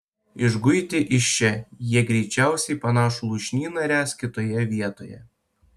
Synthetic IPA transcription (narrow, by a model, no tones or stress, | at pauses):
ɪʒɡʊɪt̪ʲɪʔɪʃʲt͡ʃʲɛjiɛɡɾʲɛɪt͡ʃʲæˑʊsʲɛɪpɐnɑːʃolˠuːʃʲnʲiːnɐɾʲæːskʲɪt̪oːjɛʋʲiɛt̪oːjɛ̰